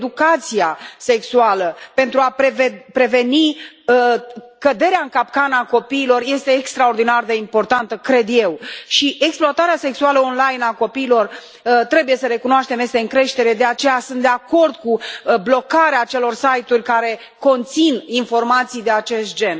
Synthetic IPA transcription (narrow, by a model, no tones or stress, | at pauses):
ed̪ukat̪sijaseksualəpe̞nt̪ɾuapevepɾe̞ve̞ni | kəd̪e̞ɾeaɨŋkapkanəako̞piːlo̞rje̞st̪e̞ːkst̪ɾao̞rd̪inard̪e̞impo̞rt̪ant̪əkɾe̞d̪je̞wʃiʔeksploat̪aɾease̞ksualəonlajnako̞piːlo̞r | t̪ɾe̞buje̞səɾe̞kunoaʃt̪e̞mest̪eɨŋkɾe̞ʃt̪e̞ɾe̞d̪e̞at͡ʃe̞jasɨnt̪d̪eako̞rd̪kublo̞kaɾeaːt͡ʃe̞lo̞rsajt̪urʲkaɾe̞ | ko̞nt̪sininfo̞rmat̪sijd̪e̞at͡ʃe̞st̪̚d͡ʒe̞n